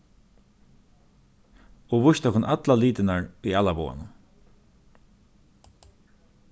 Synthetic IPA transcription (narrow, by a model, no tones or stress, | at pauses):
ɔvʊʃt̪ɔhkʊnʔat̪laliːt̪ɪnaɹiaːlabɔ̰ːa̰nʊ